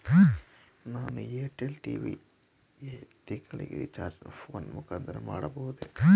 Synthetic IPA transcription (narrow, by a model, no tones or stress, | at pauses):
naːnueːʈelʈiːʋḭ | ɡet̪iŋɡɐɭḭɡḛʋit͡ʃaːɾd͡ʒpʰoːnmukaːnt̪ʰɐɾɐma̰ːɽɐbɐɦud̪e